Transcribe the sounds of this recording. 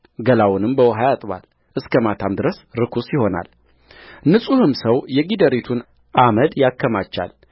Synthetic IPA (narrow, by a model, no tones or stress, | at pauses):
ɡəlawʊnɨmbəwəɦajat̪ʼβa̰l | ʔɨskʰəmat̪ʰamd̪ɨɾəsɾɨkʰusjɪho̞na̰l | nɨsʼuhɨmsəwjɛɡid̪əɾit̪ʰun | ʔaməd̪jakːəmat͡ʃːa̰l